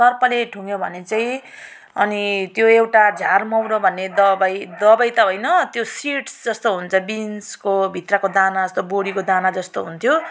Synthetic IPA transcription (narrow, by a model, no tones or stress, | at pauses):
sʌrpʌleʈʰuŋjobʱʌ̰net͡saĩ | ʌ̰nit̪joewʈad͡zʱarmʌwɾobʱʌnːed̪ʌbajd̪ʌbajt̪ʌɦʌjnʌt̪josiʈsd͡zʌst̪oɦunt͡sʰʌbinskobʱit̪rakod̪anad͡zʌst̪oboɽikod̪anad͡zʌst̪oɦunt̪ʰjo